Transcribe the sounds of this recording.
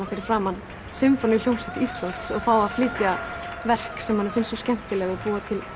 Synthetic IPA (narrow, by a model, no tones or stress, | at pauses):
afɪɾɪɾ̥fɾaːmanː | sʏmfɔnʏljownsɛht̪ɪist̪lant̪sɔɣfaːwaðflɪːt̪javɛr̥ksɛmhanːɛɾfɪnsɔscɛm̥t̪ɪlɛɣɔɣpuːat̪ʰɪl